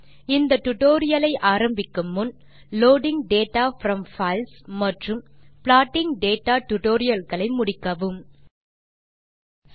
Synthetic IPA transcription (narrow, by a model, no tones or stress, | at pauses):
ɪnd̪ɐʈʊʈoːɾɪjɐlɐɪʔaːɾɐmbɪkːɯmːʊn | loːɖɪŋɖeːʈːaːfɾɐmfɐɪlsmɐʈrɯmpɭaːʈːɪŋɖeːʈːaːʈʊʈoːɾɪjɐlɣɐɭɐɪmʊɽɪkːɐʋɯm